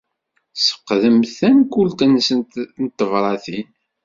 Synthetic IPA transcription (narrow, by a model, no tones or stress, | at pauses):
sə̥qːðəmθænkult̪ənsənnt̪ːəvɾˤɑθin